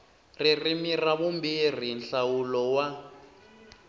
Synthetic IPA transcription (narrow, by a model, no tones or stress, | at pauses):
ririmiraβumbir̤inɬawulɔwa